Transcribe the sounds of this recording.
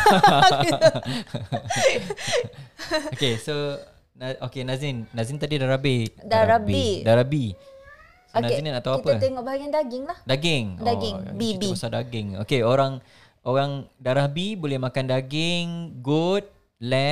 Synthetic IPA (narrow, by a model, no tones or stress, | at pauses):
okeso | naokenazinːazint̪adidaɾahbidaɾabiidaɾahbi | snazinnat̪awaipəat̪eŋɔʔbaɦaɡiandaɡɪŋlahdaɡɪŋdaɡɪŋbiiiusadaɡɪŋo̰keoɾaŋ | oɾaŋdaɾahbibolɛhmakandaɡɪŋɡut̚ | lɛ